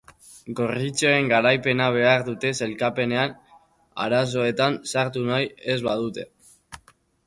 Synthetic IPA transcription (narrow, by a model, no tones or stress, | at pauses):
ɡo̞rit͡soe̞ŋɡaɾajpe̞naβ̞e̞aɾðut̪e̞se̞lkape̞ne̞an | a̰ɾas̬o̞e̞t̪ansaɾt̪unaje̞zβaðut̪e̞